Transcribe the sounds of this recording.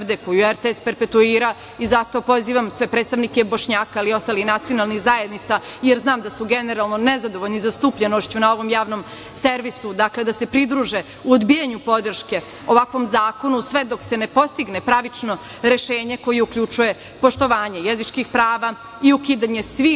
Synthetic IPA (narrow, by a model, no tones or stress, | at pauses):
d̪ekojueɾt̪eespeɾpe̞t̪uiːɾa | izat̪o̞po̞ziːʋamsʋe̞pɾeːt̪st̪aʋnike̞bo̞ʃɲaːkailio̞st̪aːlixnat̪sio̞nalˠnixzajed̪nit̪sajeɾznaːmd̪asuɡe̞neɾalˠno̞nezad̪oʋoʎnizast̪uːpʎenoʃt͡ɕunao̞ʋo̞mjaːʋno̞m | seɾʋisud̪akle̞d̪ase̞pɾid̪ɾuːʒe | uod̪bijaɲupo̞d̪r̩ʃke̞ | oʋakʋo̞mzaːko̞nusʋe̞d̪o̞kse̞nepo̞st̪iɡnepɾaʋit͡ʃno̞ | ɾe̞ʃeːɲeko̞jeukʎut͡ʃuje̞ | po̞ʃt̪o̞ʋaːɲe̞jezit͡ʃkixpɾaːʋa | iukiːd̪aɲe̞sʋi